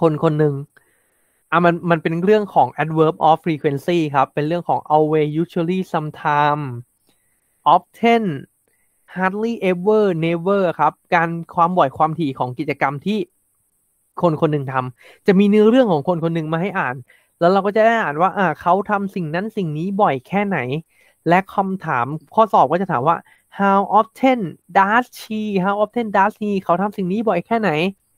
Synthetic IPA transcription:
kʰo˧nkʰo˧nːɯ˨˧ŋ | ʔa˧˩ma˧nma˧npe˧nɾɯ˥˩əŋkʰɔː˩˦ŋʔɛ˦˥t̪̚wɤː˦˥p̚ʔɔː˦˥fɾiː˧kʰwe˧nsiː˥˩kʰa˦˥pːe˧nɾɯ˥˩əŋkʰɔː˩˦ŋʔɔ˧wweː˧juː˦˥t͡ɕʰu˧liː˥˩sa˧mt̪ʰa˧m | ʔɔ˦˥p̚t̪ʰe˥˩n | haː˦˥t̪̚liː˥˩ʔe˦˥wɤː˥˩ne˧˥wɤː˥˩kʰa˦˥p̚kaː˧nkʰwaː˧mbɔ˨˩jkʰwaː˧mt̪ʰiː˨˩kʰɔː˩˦ŋki˨˩t̪̚t͡ɕa˧ka˧mt̪ʰiː˥˩ | kʰo˧nkʰo˧nːɯ˧ŋt̪ʰa˧m | t͡ɕa˨˩ʔmiː˧nɯ˦˥ɐɾɯ˥˩əŋkʰɔː˩˦ŋkʰo˧nkʰo˧nːɯ˧ŋmaː˧ɦa˥˩jʔaː˨˩n | lɛː˦˥wɾa˧wkɔː˥˩t͡ɕa˨˩da˥˩jʔaː˨˩nwaː˥˩ʔaː˧˩kʰa˦˥wt̪ʰa˧msi˨˩ŋna˦˥nsi˨˩ŋniː˦˥bɔ˨˩jkʰɛː˥˩na˩˦j | lɛ˦˥kʰa˧mt̪ʰaː˩˦mkʰɔː˥˩sɔː˨˩p̚kɔː˥˩t͡ɕt̪ʰaː˩˦waː˥˩ | haː˦˧˥wʔɔ˦˥p̚t̪ʰe˥˩ndaː˦˥st͡ɕʰiː˧ɦaː˧˥wʔɔː˦˥p̚t̪ʰe˥˩ndaː˦˥st͡ɕiː˧kʰa˨˦˥wt̪ʰa˧msi˨˩ŋniː˦˥bɔ˨˩jkʰɛː˥˩na˩˦j

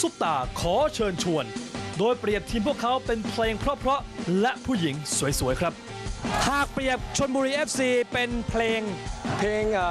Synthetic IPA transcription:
su˦˥p̚t̪aː˨˩kʰɔː˩˦t͡ɕʰɤː˧nt͡ɕʰu˧əndoː˧jpɾi˨˩əp̚t̪ʰiː˧mpʰu˥˩əkʰa˦˥wpe˧npʰleː˧ŋpʰɾɔ˦˥pʰɾɔ˦˥ʔlɛ˦˥ʔpʰuː˥˩ji˩˦ŋsu˩˦əjsu˩˦əjkʰɾa˦˥p̚ | haː˨˩k̚pɾi˨˩əp̚t͡ɕʰo˧nbuː˧ɾiː˧ʔeː˦˥p̚siː˧pe˧npʰleː˧ŋpʰeː˧ŋʔ

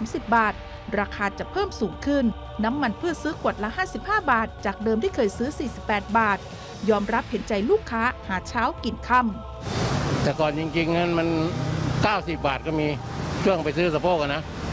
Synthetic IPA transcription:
saː˩˦msi˨˩p̚baː˨˩t̪̚ | ɾaː˧kʰaː˧t͡ɕa˨˩pʰɤː˥˩msuː˩˦ŋkʰɯ˥˩nː | a˦˥mːa˧npʰɯ˥˩əsɯː˦˥ku˨˩ət̪̚la˦˥haː˥˩si˨˩p̚haː˥˩baː˨˩t̪̚t͡ɕaː˨˩k̚dɤː˧mt̪ʰiː˥˩kʰɤː˧˩jsɯː˦˥siː˨˩si˨˩pːɛː˨˩t̪̚baː˨˩t̪̚ | jɔː˧mɾa˦˥p̚he˩˦nt͡ɕa˧jluː˥˩kʰːaː˦˥haː˩˦t͡ɕʰaː˦˥wki˨˩nkʰa˥˩m | t̪ɛː˨˩kɔː˨˩nt͡ɕi˧ŋt͡ɕi˧ŋŋɤ˧˥nma˧nkaː˥˩wsi˨˩p̚baː˨˩t̪̚kɔː˥˩miː˧ | t͡ɕʰu˥˩əŋpa˧jsɯː˦˥sa˧pʰoː˥˩k̚a˧na˦˥

